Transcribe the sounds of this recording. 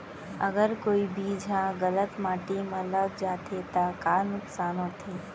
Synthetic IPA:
əɡəɾkoːibʱid͡ʒʱaɣələt̪maːʈimə̃ləɡd͡ʒaːt̪ʰet̪akaːnʊksaːnõt̪ʰiː

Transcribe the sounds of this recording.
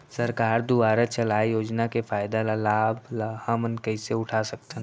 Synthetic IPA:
səɾkaːɾd̪uʋaːɾət͡ʃəlaːejoːd͡ʒnakefʰaːɪd̪alalaːblahəmənkəɪseʊʈʰasək̚t̪ən

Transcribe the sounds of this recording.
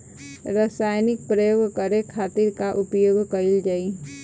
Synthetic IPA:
ɾəsaːjnɪk̚pɾəjoːɡʱkəɾekʰaːt̪ɪɾkaʔʊpjoːɡʱkəɪld͡ʒaːi

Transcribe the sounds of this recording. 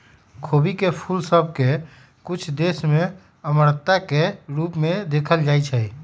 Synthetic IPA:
kʰobikepʰulsəb̚ʱke | kʊt͡ʃʰd̪esmẽ | əməɾt̪akeɾuːpmed̪ekʰəld͡ʒait͡ʃʰəj

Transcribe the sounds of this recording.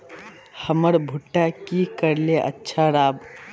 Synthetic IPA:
həməɾbʱʊʈːakikəɾleʔə̰tːʃʰaɾaːb

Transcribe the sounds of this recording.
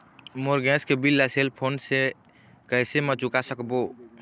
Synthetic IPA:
moɾɡɛ̃skebilːaselpʰonse | kəɪsemət͡ʃukasəkbo

